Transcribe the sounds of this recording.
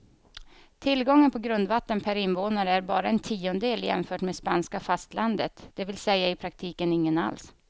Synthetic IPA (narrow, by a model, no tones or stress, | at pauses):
t̪ʰɪlɡɔŋːənpʰɔɡɾɵnd̪vat̪ːənpʰæɾɪnvoːnaɾəæɾbɑːɾaɛnt̪ʰiːɔnəd̪eːljɛ̰mfœːʈmeːspanskafast̪land̪ət̪d̪̥ɛvɪlsɛjːaɪpʰɾak̚t̪ʰiːkənɪŋːəna̰ls